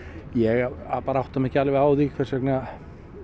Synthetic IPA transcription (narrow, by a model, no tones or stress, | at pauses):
jɛɣaðpaːɾawht̪amɛhcɪalɪvɪaːwðikʰvɛɾ̥rsɛkna